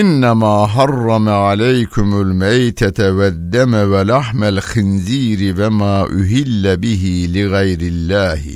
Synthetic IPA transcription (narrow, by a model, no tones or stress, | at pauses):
ʔɪnːamaːɦɑrˤːɑmaʕalajkʊmalmajt̪aawad̪ːamawalaħmalxɪnziːɾɪwamaːʔʊɦɪlːabɪhilɪɣajɾɪlːaːhɪ̰